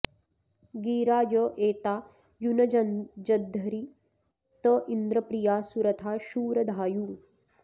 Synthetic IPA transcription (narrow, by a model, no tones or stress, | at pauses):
ɡiːɾaːjoʔeːt̪aː | junɐd͡ʒɐd͡ʒɐd̪ʱːɐɾi | t̪oʔind̪ɾɐpɾijaːsuɾɐt̪ʰaːʃuːɾɐd̪ʱaːjuː